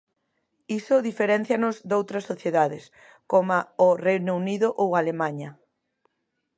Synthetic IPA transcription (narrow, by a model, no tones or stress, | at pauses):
isʊðifeɾɛn̟θjɐnʊzd̪owt̪ɾɐsːoθjeðaðɪs | komaorejnouniðʊʔowalemãɲɐ